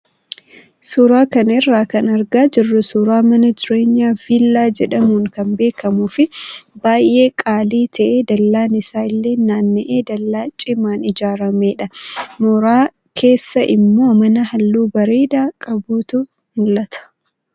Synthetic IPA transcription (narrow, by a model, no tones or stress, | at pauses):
suːɾaːkɐnɪrːaːkɐnɐɾɡaːd͡ʒɪrːʊsuːɾaːmɐnɐd͡ʒɪɾe̞ːɲːaːfiːlːaːd͡ʒɛᶑɐmuːŋkɐmbe̞ːkɐmuːfɪbaːjʔe̞ːkʼaːliːt̪ʰɐʔe̞ːd̪ɐlːaːnɪsaːɪlːe̞ːnːaːnːɪʔeːd̪ɐlːaːt͡ʃʼɪmaːnɪd͡ʒaːɾɐmeːᶑɐmɔːɾaː | kʰe̞ːsːɐʔɪmːo̞ːmɐnɐhɐlːuːbɐɾeːd̪aːkʼɐbuːt̪ʊ | mʊlːɐt̪ʰɐ̥